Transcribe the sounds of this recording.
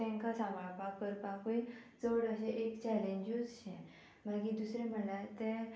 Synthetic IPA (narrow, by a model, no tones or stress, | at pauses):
ɛ̃ŋkasãmaɭpapəɾpakojt͡səɽəɕeʔekt͡ɕɛlẽɲd͡ʑud͡zɕɛ̃ | m̤əkid̪usɾẽm̤əɳlat̪ɛ̃